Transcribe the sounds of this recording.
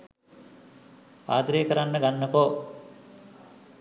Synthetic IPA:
a̰ːd̪ɾeːkɐɾanːəɡanːɐkoː

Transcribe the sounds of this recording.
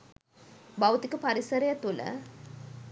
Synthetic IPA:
bɐwt̪ikəpɐɾisɐɾɐjɐt̪ulə̰

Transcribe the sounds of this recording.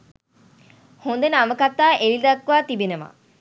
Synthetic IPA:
hund̪enəaməkat̪ːaːʔelid̪ɐkːʋaːt̪ibenema̰

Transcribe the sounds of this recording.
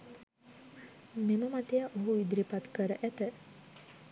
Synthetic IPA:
meməmat̪ejaʔoɦuʋid̪ɾipat̪kəɾəʔæt̪ə

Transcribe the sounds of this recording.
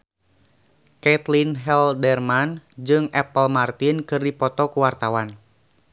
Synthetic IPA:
kɛt̪linɦɛldɛrmand͡ʒɨŋʔɛpəlmart̪inkɨrdipɔt̪ɔkuwart̪awan

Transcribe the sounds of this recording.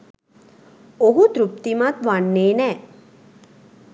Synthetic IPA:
oɦut̪ɾup̚t̪imat̪ʋaɳːeːnɛː

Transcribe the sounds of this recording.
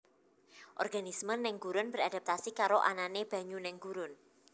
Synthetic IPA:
ʔɔ̰rɡ̥anismənːɪŋɡ̥uɾʊnb̥əɾad̥a̤p̚t̪asikaɾoʔa̰naneb̥a̤ɲunɛŋɡ̥uɾʊn

